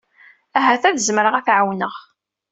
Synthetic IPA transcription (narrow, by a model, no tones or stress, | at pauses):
æɦæθæðəzməɾəʁæθʕawnəʁ